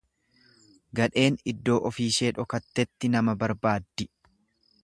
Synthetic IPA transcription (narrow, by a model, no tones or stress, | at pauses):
ɡɐᶑe̞ːnɪd̪ːo̞ːʔɔfiːʃe̞ːᶑɔkɐt̪ːɛt̪ːɪnɐmɐbɐɾbaːd̪ːɪ